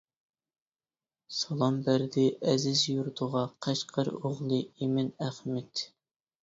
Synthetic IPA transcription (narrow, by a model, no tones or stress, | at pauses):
sɑlˠɑmbæɾd̪ɪʔɛzɪzjuɾt̪ʰʊʁɑqʰæʃqʰɑɾoʁlˠɨemɪnæχmɛt̪